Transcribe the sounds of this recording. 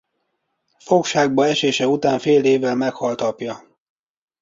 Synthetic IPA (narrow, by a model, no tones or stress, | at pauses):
fo̞kʃaːɡ̚bɒɛʃeːʃɛut̪aːɱfeːleːvːɛlmɛkhɒlt̪ɒpjɒ